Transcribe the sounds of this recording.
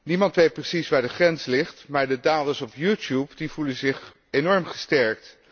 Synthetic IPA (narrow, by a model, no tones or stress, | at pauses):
nimɑntʋejt̚prəsisʋaːɹdəχrɛnslɪχtmaːɹdədaːdəsɔpjutjupdivulənzɪχ | enɔɹmχə̥stɛɹk̚t